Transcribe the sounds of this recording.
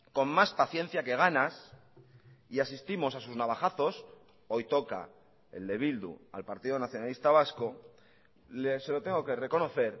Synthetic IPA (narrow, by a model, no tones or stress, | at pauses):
ko̞nmaspaθjẽ̞n̟θjake̞ɣ̞anas | iasist̪imo̞sasuznaβaχaθo̞s | o̞jt̪o̞ka̰ | e̞̰ld̪e̞βild̪ṵa̰lpaɾt̪iðonaθjo̞nalist̪aβ̞asko̞ | lese̞lo̞t̪e̞ŋɡo̞ke̞re̞ko̞no̞θe̞ɾ